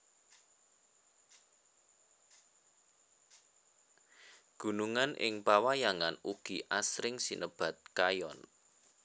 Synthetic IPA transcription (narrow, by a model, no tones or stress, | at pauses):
ɡ̥ṳnuŋanʔɪ̰ŋpawajaŋanuɡ̥iʔasɾɪŋsinʔəb̥a̤t̪̚kajɔn